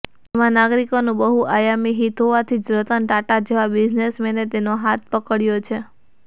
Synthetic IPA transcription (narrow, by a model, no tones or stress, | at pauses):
emãnaɡɾikonũbəɦuʔajamiɦit̪ʰoʋat̪ʰid͡ʒɾət̪ənʈaʈad͡ʒeʋabid͡ʒnesmenet̪enoɦat̪̚ʰpəkəɭjot͡ʃʰe